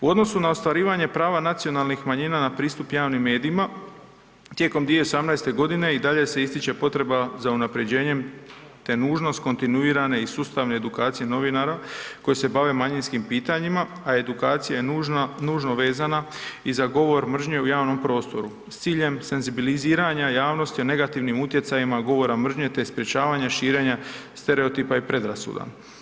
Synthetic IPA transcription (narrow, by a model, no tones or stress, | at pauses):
uo̞d̪no̞sunaost̪ʋaɾiːʋaɲe̞pɾaːʋanat̪sio̞nalˠnixmaɲinanapɾiːst̪upjaːʋnimːe̞ːd̪iːma | t̪je̞ko̞md̪ʋijeosamnajst̪e̞ɡo̞d̪ine̞id̪aʎe̞se̞ist̪it͡ʃe̞po̞t̪ɾe̞bazaunapɾe̞d͡ʑe̞ːɲe̞m | t̪e̞nuːʒno̞st̪ko̞nt̪inuiːɾane̞isuːst̪aʋne̞ːd̪ukaːt̪sije̞no̞ʋinaɾako̞jese̞baʋe̞maɲinskimpiːt̪aɲima | ae̞d̪ukaːt̪sijajenuːʒno̞ʋe̞ːzanaizaɡo̞ʋo̞ɾmr̩ʒɲe̞ujaːʋno̞mpɾo̞ːst̪o̞ɾu | st̪siːʎe̞mse̞nzibiliziːɾaɲajaːʋno̞st̪ione̞ɡat̪iʋnimut̪je̞t̪sajimaɡo̞ʋo̞ɾamr̩ʒɲe̞t̪e̞spɾʲje̞t͡ɕaːʋaɲaʃiːɾe̞ɲast̪e̞ɾe̞ot̪iːpaipɾe̞d̪ɾasṵd̪a̰